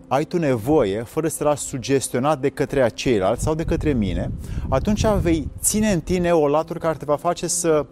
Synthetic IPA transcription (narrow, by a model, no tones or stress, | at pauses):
ajt̪une̞vo̞je̞fəɾəsəlaʃsud͡ʒe̞st̪io̞nat̪̚d̪e̞kət̪ɾeat͡ʃe̞jla̰lt̪sʲsawd̪e̞kət̪ɾe̞mine̞at̪unt͡ʃʲave̞jtt̪sine̞ɨnt̪ine̞o̞lat̪urʲkaɾet̪e̞vafat͡ʃe̞sə